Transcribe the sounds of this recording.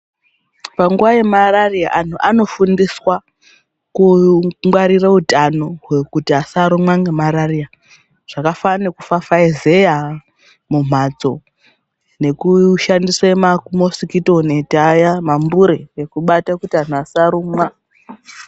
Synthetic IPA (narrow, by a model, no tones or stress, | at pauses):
paŋɡuʋaje̞mararia̰ʔan̤uʔano̞fundiswa | kuŋwaɾirautanoɦwe̞kutiasaɾumwaŋɡemaɾaria | ʐ̥akafanekufafaeze̞ja | mum̤ad͡zo̞ | ne̞kuʃandiswamakumosikitonetajamambuɾeekuɓatakutian̤uasaɾumwa